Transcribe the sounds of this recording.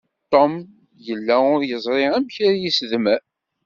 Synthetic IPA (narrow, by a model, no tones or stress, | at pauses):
t̪ˤːom | jəlːæʊɾjəzˤɾˤeæmçaɾjisðmæ